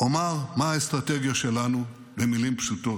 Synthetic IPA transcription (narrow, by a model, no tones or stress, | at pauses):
omaʁmaaest̪ʁate̞ɡijaʃe̞lanu | bemilimpʃuto̞